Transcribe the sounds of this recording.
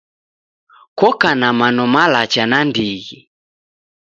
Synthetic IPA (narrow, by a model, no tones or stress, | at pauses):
kɔkanamanɔmalat͡ʃanandiɣi